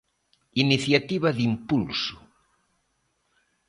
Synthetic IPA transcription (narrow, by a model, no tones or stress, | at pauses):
iniθjat̪iβɐðimpulsʊ̥